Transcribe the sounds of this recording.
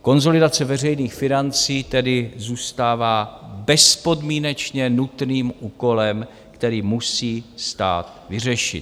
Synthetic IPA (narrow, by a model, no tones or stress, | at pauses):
ko̞nzo̞lɪdat͡sɛvɛr̝ɛjniːxfɪnant͡siːt̪ɛdɪzuːst̪aːvaːbɛspo̞dmiːnɛt͡ʃɲɛnut̪niːmʔuːko̞lɛm | kt̪ɛɾiːmusiːst̪a̰ːt̪ | vɪr̝ɛʃɪ̰t̪